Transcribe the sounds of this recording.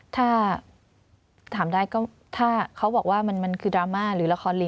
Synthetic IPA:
t̪ʰaː˥˩ | t̪ʰaː˩˦mdaː˥˩jkɔː˥˩ | t̪ʰaː˥˩kʰa˦˥wbɔː˨˩k̚waː˥˩ma˧nma˧nkʰɯː˧dɾaː˧maː˥˩ɾɯː˩˦la˧xʰɔː˧nli˧

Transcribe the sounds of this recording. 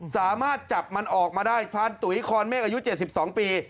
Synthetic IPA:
saː˩˦maː˥˩t̪̚t͡ɕa˨˩p̚ma˧nʔɔː˨˩k̚maː˧daː˥˩jp̪ʰaː˧nt̪u˨˩˦kʰɔː˧nmɛː˥˩k̚ʔa˧ju˦˥t͡ɕe˨˩t̪̚si˨˩p̚sɔː˩˦ŋpiː˧

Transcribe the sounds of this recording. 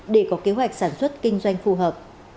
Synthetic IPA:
ɗe˧˩kɔ˨˦ke˨˦ɦwa˨˩jk̟̚saː˧˩nswə˦˥t̚kï˧ŋ̟zwa˧jŋ̟fu˧ɦəː˨˩p̚

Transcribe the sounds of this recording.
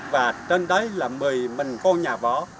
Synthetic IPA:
vaː˨˩t͡ɕə˧nɗə˨˦jlaː˨˩mɨ˨˩əjmï˨˩ŋ̟kɔ˧nɲaː˨˩vɔ˨˦

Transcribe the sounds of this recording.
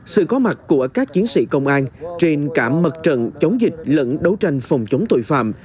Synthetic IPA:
sɨ̰˧˨kɔ˨˦ma˨˩t̚ku˧˩əkaː˦˥k̚t͡ɕi˨˦ənsḭ˧˥kə˧wŋ͡mʔaː˧nt͡ɕe˧nkaː˧˩mːə˨˩t̚t͡ɕə̰˧˨nt͡ɕə˨˦wŋ͡mzï˨˩k̟̚lə̰˧˥nɗə˨˦wt͡ɕa˧jŋ̟fa˨˩wŋ͡mt͡ɕə˨˦wŋ͡mt̪o̰˧˨jfa̰ː˧˨m

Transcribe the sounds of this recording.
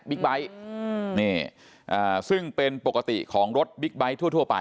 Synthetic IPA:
bi˦˥k̚ba˦˥jniː˥˩ | ʔaː˨˩sɯ˥˩ŋpe˧npo˨˩kːa˧t̪ḭ˨˩kʰɔː˩˦ŋɾo˦˥t̪̚bi˦˥k̚ba˦˥jt̪ʰu˥˩ət̪ʰu˥˩ɐəpa̰˧j

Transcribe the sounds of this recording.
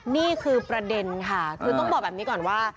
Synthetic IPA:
niː˥˩kʰɯː˧pɾa˧de˧nkʰa˥˩kʰɯː˧t̪ɔ˥˩ŋbɔː˨˩k̚bɛː˨˩pni˦˥kɔː˨˩nwaː˥˩

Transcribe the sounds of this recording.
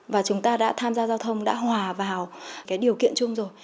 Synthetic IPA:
vaː˨˩t͡ɕʊ˨˦ŋ͡mt̪aː˧ɗa̰ː˧˥t̪ʰaː˧mzaː˧zaː˧wt̪ʰə˧wŋ͡mɗa̰ː˧˥hwaː˨˩vaː˨˩wkaː˨˦jɗi˨˩əwkḭ˧˨ənt͡ɕʊ˧ŋ͡mzo˨˩j

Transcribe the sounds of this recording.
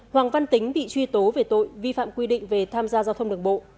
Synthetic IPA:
hwaː˨˩ŋva˧nt̪ï˨˦ŋ̟ɓḭ˧˨t͡ɕwi˧t̪o˨˦ve˨˩t̪o̰˧˨jvi˧fa̰ː˧˨mkwi˧ɗḭ̈˧˨ŋ̟ve˨˩t̪ʰaː˧mzaː˧zaː˧wt̪ʰə˧ŋ͡mɗɨ˨˩əŋɓo̰˧˨

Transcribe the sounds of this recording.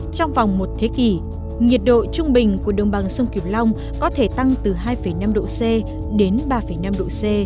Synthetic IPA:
t͡ɕɔ˧wŋ͡mva˨˩wŋ͡mmo˨˩t̚t̪ʰe˨˦ki˧˩ | ŋi˨˩ət̚ɗo̰˧˨t͡ɕʊ˧ŋ͡mɓï˨˩ŋ̟ku˧˩əɗə̰˨˩ŋ͡mɓa̰˨˩ŋsə˧wŋ͡mki˨˩p̚la˧wŋ͡m | kɔ˨˦t̪ʰe˧˩t̪a˧ŋt̪ɨ˨˩ɦaː˧jfə˧˩jna˧mɗo̰˧˨sɛ˧ | ɗe˨˦nɓaː˧fə˧˩jna˧mɗo̰˧˨sɛ˧

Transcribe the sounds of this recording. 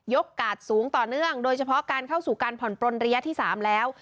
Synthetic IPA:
jo˦˥kːaː˨˩t̪̚suː˩˦ŋt̪ɔː˨˩nɯ˥˩əŋdoː˧jt͡ɕʰa˧pʰɔ˦˥kaː˧nkʰa˥˩wsuː˨˩kaː˧npʰɔ˨˩npɾo˧nɾa˧ja˦˥t̪ʰiː˥˩saː˩˦mlɛː˦˥w

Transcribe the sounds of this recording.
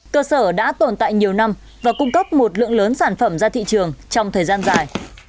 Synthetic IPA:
kəː˧səː˧˩ɗa̰ː˧˥t̪o˨˩nt̪a̰ː˧˨jɲi˨˩əwna˧m | vaː˨˩kʊ˧ŋ͡mkə˦˥p̚mo˨˩t̚lɨ̰˧˨əŋləː˨˦nsaː˧˩nfə˧˩mzaː˧t̪ʰḭ˧˨t͡ɕɨ˨˩əŋt͡ɕɔ˧wŋ͡mt̪ʰəː˨˩jzaː˧nzaː˨˩j

